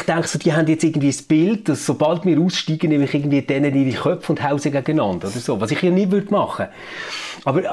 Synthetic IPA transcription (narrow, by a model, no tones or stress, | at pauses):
χtæŋkχsod̥iːɦændjɛt͡sɪɡn̩dviːəsb̥ɪldd̥ɑsːob̥ɑltmɪːɾuːsʃtiːɡ̥ənɛmlɪχɪːɡən̩dviːəd̥ɛnəniɾiχœpfʊnd̥haʊsəɡæɡənɑnd̥od̥̪əɾsoːvɑːsɪχjɑnɪdvʏɾd̥mɑχə | ɑbəɾ